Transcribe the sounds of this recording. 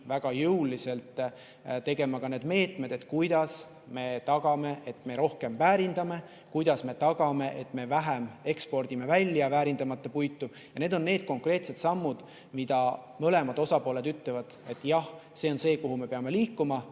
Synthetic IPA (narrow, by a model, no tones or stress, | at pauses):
væɡ̥ɑjɯwlːise̞lt̪ˑ | t̪e̞ɡe̞mɑkɑne̞ːd̪me̞ːt̪ˑme̞d̪e̞t̪ˑkujd̪̥ɑs | me̞t̪ɑɡ̥ɑme̞ʔet̪ˑme̞ɾo̞hke̞mvæːɾind̪̥ɑme̞ | kujd̪̥ɑsme̞t̪ɑɡ̥ɑme̞ʔet̪ːme̞væɦæme̞kspo̞rd̪̥ime̞vælʲːjɑvæːɾind̪ɑmɑt̪ˑːɑpujt̪ːˑu | jɑne̞ːd̪o̞nːe̞ːd̪̥̚ko̞ŋkre̞ːt̪se̞t̪sɑmːud̪̥ | mid̪̥ɑmøle̞mɑd̪̥o̞sɑpo̞ːle̞d̪yt̪ːˑlevɑd̪̥e̞t̪ːˑjɑhse̞o̞nse̞ːkoɦume̞peɑme̞liːkːˑumɑ